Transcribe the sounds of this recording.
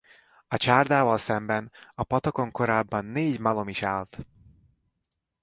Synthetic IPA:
ɒt͡ʃaːrd̪aːvɒlsɛmbɛnɒpɒt̪oko̞ŋko̞ɾaːbːɒnːeːɟmɒlo̞miʃaːlt̪

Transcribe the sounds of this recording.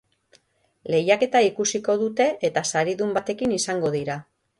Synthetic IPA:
le̞jake̞t̪aikusiko̞ðut̪e̞ʔet̪asaɾiðumbat̪e̞kinisaŋɡo̞ðiɾa

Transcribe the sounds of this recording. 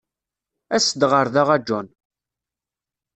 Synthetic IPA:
æsəd̪ʁəɾðaʁæd͡ʒːɔn

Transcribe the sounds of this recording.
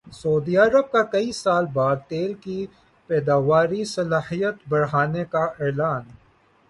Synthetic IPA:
soːd̪iɐɾəb̚kakɐisaːlbaːd̪̚t̪eːlki | pɛːd̪aːʋaːɾisɐlaːhijət̪bɐɽɦaːnekaɛːlaːn

